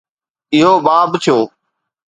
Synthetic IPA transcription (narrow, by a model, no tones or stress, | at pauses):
ɪɦoːɓaːbt͡ʃʰoː